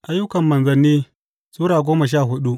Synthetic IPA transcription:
ʔa˦jːʊ˦kɐ˨mːɐ˨nzɐ˨nːiː˦ | suː˦ɽaː˨ɡʷoː˦mɐ˨ʃ̬aː˦˨ɦʊ˦ɗu˦ʔ

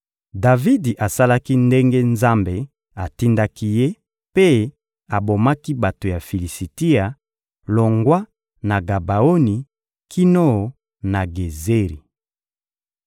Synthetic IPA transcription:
da˨vi˦di˨ʔa˨sa˦la˦ki˦nde˦ŋɡe˦nza˦mbe˨ | a˨ti˦nda˦ki˦je˦ | pe˦ | a˨bo˨ma˦ki˦ba˨to˨ja˨fi˨li˨si˨ti˦a˨ | lo˨ŋɡwa˦ | na˨ɡa˨ba˨o˦ni˨ | kʰi˦no˦˨ | na˨ɡe˨ze˦ʁi˨

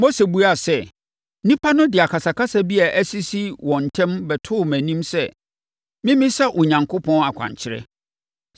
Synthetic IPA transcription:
mo˦se˨bu˦a˨sɛ˦˨˦ | nĩ˦pʰa˦nʊ̃˦dɪ˨a˨kʰa˨sa˨kʰa˦sa˦bi˦a˨ʔæ˦si˦si˦wɔ̃˨n̩˨tʰɛ̃˦mbɛ˨tʰʊː˦˨mæ̃˨nĩ˦msɛ˦ | mɪ̃˦mĩ˦sa˦ʔʊ˨ɲã˨ŋkʰʊ˦pʰɔ̃˦na˨kʷʰã̰˨ɲt͡ɕʰɪ˦ɾɛ̰˦

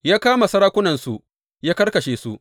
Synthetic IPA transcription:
jaː˦kaː˦ma˨sɐ˦ɾaː˦kʷʊ˦nɐ˨nsu˨ | jaː˦kɐ˦rkɐ˨ʃeː˨su˦

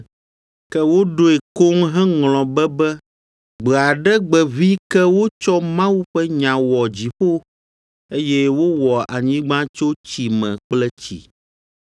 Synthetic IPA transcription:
kɛ˦wo˦ɖo˦e˨ko˦ŋɦɛ̃˦ŋl̃ɔ̃˨bɛ˦bɛ˦ | ɡ͡bɛ˨a˨ɖɛ˦ɡ͡bɛ˨vi˦kɛ˦wo˦t͡ʃɔ˦mã˦wu˦ɸɛ˦ɲã˨wɔ˨d͡ʑi˨ɸo˦ | e˦jɛ˦wo˦wɔ˨a˨ɲĩ˦ɡ͡bã˦t͡ʃo˦t͡ɕi˨mɛ̃˨k͡plɛ˦t͡ɕḭ˨

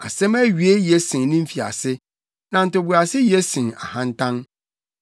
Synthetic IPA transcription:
a̰˨sɛ̃˦mæ˦ɥi˨˦e˦jɛ˦sɪ̃˨n˨nɪ̃˦m̩˦fi˨a̰˨sɪ˦ | nã˨n̩˨tʊ˨bu˨a˨sɪ˦jɛ˦sĩ˨a̰˨hã˦n˦tʰã˦n

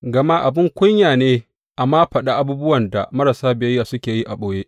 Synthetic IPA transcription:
ɡɐ˨ma˦ʔa˨bɪ˦ŋkʷʊ˦ɲjaː˨neː˦ | ʔa˨mːaː˦ɸɐ˨ɗa˦ʔa˦buː˦bʊ˦wɐ˨nda̰˨mɐ˦ɾa˨saː˦bɪ˨ɐ˦jːaː˨sʊ˦kʲeː˨ji˦ʔa˨ɓoː˦jeː˦ʔ

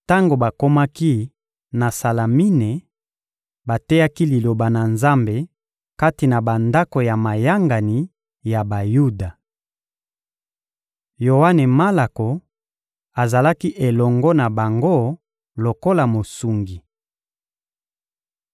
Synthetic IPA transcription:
ta˦ŋɡo˨ba˨ko˦ma˦ki˦ | na˨sa˨la˨mi˦ne˨ | ba˨tɛ˦ja˦ki˦li˨lo˨ba˨na˨nza˦mbe˨ | ka˦ti˨na˨ba˨nda˦ko˨ja˨ma˨ja˦ŋɡa˨ni˨ | ja˨ba˨ju˦da˨ | jo˨wa˦ne˨ma˦la˨ko˨ | a˨za˨la˦ki˦ʔe˨lɔ˨ŋɡɔ˦na˨ba˨ŋɡo˦ | lo˨ko˦la˨mo˨su˨ŋɡi˨

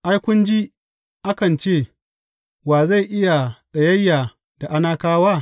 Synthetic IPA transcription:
ʔa˦jkʷʊ˦nd͡ʒi˦ | ʔa˦kɐ˨nt͡ʃeː˦˨ | waː˨za˦˨ʔɪ˦ja˨ɗɐ˨jɐ˦jːa˨ | d̥a˨ʔa˦naː˦kaː˦waː˦

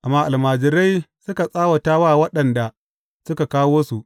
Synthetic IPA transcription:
ʔa˨mːaː˦ʔa˨lmaː˨d͡ʒɪ˨ɾa˦jsʊ˦ka˨sʼaː˦wɐ˨taː˦waː˦˨wɐ˦ɗɐ˨nda˨ | sʊ˦ka˨kaː˦woː˦su˨ʔ

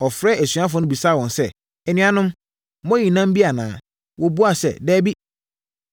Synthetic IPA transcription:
ɔ˨fɾɛː˦æ˨sɥa˦f̬ʊ˨˦nʊ̃˦bi˨sa˦˨wɔ̃˨nsɛ˦ | ɛ˨nɪ̃˦ã˦nʊ̃˦m | mɔ̃˦ji˨nã˦m˦bi˦a˨nã̰ː˨˦ | wʔɔ˦bu˦a˨sɛ̰˦˨dɛː˦bi˦

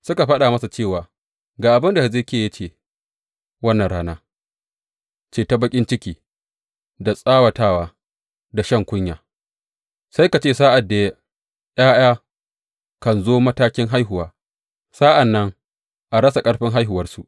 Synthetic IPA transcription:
sʊ˦ka˨ɸɐ˦ɗaː˨mɐ˦sa˨t͡ʃeː˦˨waː˨ | ɡaː˨ʔa˨bɪ˦nda˨zeː˦˨kʲeː˨jɐ˦t͡ʃeː˨ | wɐ˦nːɐ˨ɽaː˦naː˦ | t͡ʃeː˦˨ta˦bɐ˦kʲʼɪ˦nt͡ʃɪ˦kʲiː˨ | da˨sʼaː˦wɐ˨taː˦˨waː˨ | da˨ʃɐ˦˨ŋkʷʊ˦ɲja̰ː˨ | sa˦jka˨t͡ʃeː˦˨saː˦ʔa˨dːa˨ja˦ | ʔj̰aː˦j̰aː˦ | kɐ˨nzoː˦mɐ˦taː˦kʲɪ˦ŋɦa˦jɦʊ˨waː˨˦ | sa˦ʔa˨nːɐ˦ŋ | ʔa˨ɽɐ˦sa˨kʼɐ˦ɽɸɪ˦ŋɦa˦jɦʊ˨wɐ˦rsu˨ʔ

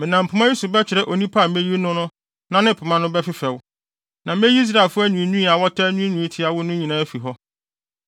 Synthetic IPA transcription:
mɪ̃˨nã˨m̩˨pʰʊ˨˦mã˦ji˦su˨bɛ˦t͡ɕʰɪ˨ɾɛ˦ʔo˨nĩ˦pʰa˦˨mẽ˦ji˦nʊ̃˦nʊ̃˦ | nã˦nɪ̃˦pʰʊ˨mã˦nʊ̃˦bɛ˦fɪ˦fɛ˨w | nã˨mẽ˦ji˦s̬ɾa˨e˨lfʊ˦æ˦ɲũ˨ĩ˦nũ˦ĩ˦a˨wɔ˦tʰɛ˦nũ˦nũ˨ĩ˦tʰɪ˦a˨wʊ˦nʊ̃˦ɲĩ˨nã˦æ˦fi˨ɦɔ˦

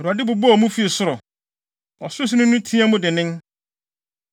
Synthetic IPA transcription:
ɔ˨ɾu˨a˨dɪ˦bʊ˨bɔ˦ɔ˨mũ˦fi˦˨sʊ˦ɾʊ˨ | ɔ˨sʊ˦s̬ʊ˦nʊ̃˦nʊ̃˦tʰĩ˦a˦mũ˦dɪ˨nɪ̃˦n

